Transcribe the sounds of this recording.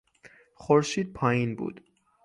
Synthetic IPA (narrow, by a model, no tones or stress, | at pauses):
χoɾʃiːd̪̚pʰɒːjinbṵːd̪̥